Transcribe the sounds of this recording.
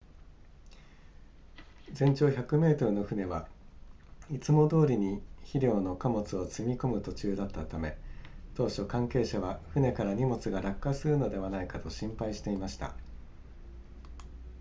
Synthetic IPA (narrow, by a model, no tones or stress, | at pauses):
d͡zẽ̞ɲ̟t͡ɕo̞ːçakɯ̟me̞ːt̪o̞ɾɯ̟no̞ɸɯ̟ne̞βa | it͡sɨmo̞d̪o̞ːɾʲiɲ̟içiɾʲo̞ːno̞kamo̞t͡sɨo̞t͡sɨmʲiko̞mɯ̟t̪o̞t͡ɕɨːd̪at̪ːat̪ame̞t̪o̞ːɕo̞kãŋke̞ːɕaβaɸɯne̞kaɾaɲ̟imo̞t͡sɨɡaɾakːasɨɾɯ̟no̞d̪e̞β̞anaikat̪o̞ɕĩmpaiɕi̥t̪e̞imaɕi̥t̪a̰